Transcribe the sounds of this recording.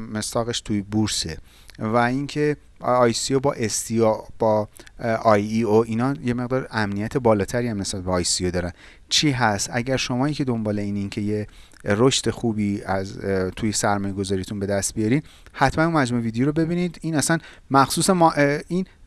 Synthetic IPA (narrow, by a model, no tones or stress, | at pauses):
me̞st̪ɒːɣe̞ʃt̪ʰujbuɾse | væincʰe̞ | ɒːjsiobɒːʔest̪iob̥ɒːʔɒjioʔinɒːje̞me̞ɣd̪ɒːɾæmnijæt̪ʰe̞bɒːlɒːt̪ʰæɾiːjæmne̞sbæt̪beɒːjsiod̪ɒːɾæn | t͡ʃʰiːɦæst̪æɟæɾʃo̞mɒːiːkcʰe̞d̪o̞mbɒːle̞iːnincʰe̞je | ɾoʃt̪e̞xuːbiːæzt̪ʰujesæɾmɒːjeɡo̞zɒːɾijt̪ʰunbe̞d̪æst̪̚bijɒɾiːm | hæt̪ʰmænunmæd͡ʒmuːevid̪ejoɾobe̞biːniːd̪iːnæsæn | mæxsuːsemɒʔin